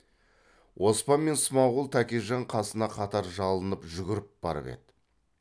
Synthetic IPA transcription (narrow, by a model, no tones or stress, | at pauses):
wʔo̞spɑnme̞nsʊmɑwʁəlˠt̪ʰækʲiʒɑɴqʰɑsənɑqʰɑt̪ɑɾʒɑlˠənəpʒʏɡʲɪɾɪp̚b̥ɑ̰ɾə̰pe̞̰d̪̥ɪ